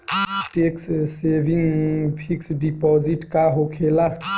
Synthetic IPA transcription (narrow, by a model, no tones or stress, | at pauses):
ʈekssebʱiŋpʰiksɖipɔziʈkaɦokʰela